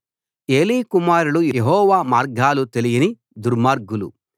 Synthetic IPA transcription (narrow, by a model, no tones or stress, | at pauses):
e̞ːlikumaːɾulujjeɦɔːʋaːmaːɾɡʱaːlut̪elijini | d̪uɾmaːɾɡulṵ